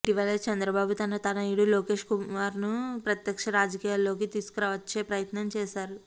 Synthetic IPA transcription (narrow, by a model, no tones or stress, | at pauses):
iʈiʋɐlɐt͡ʃɐnd̪ɾɐbaːbut̪ɐnɐt̪ɐnɐjuɽuloːke̞ːʂkumaːɾnupɾɐt̪jɐkʂɐɾaːd͡ʒɐkiːjaːlːo̞ːk̬it̪iːsu̥kuɾɐːʋɐt͡ʃːe̞ːpɾɐjɐt̪nɐmt͡ʃɛːʃaːɾu